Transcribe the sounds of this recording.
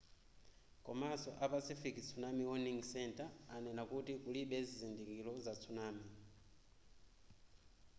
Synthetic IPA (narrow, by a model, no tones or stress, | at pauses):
kɔmasɔʔapasifikit͡sʰunamiwɔniŋsɛntaanɛnakutikuliɓɛzizindikilɔzat͡sʰunaːmi